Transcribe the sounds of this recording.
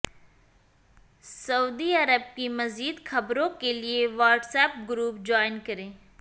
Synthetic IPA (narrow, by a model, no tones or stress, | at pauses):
sɐuːd̪iɐɾəb̚kimɐziːd̪xɐbɾõkelieʋaːɾʈsɛːp̚ɡɾuːp̚d͡ʒɔːɪnkɐɾẽː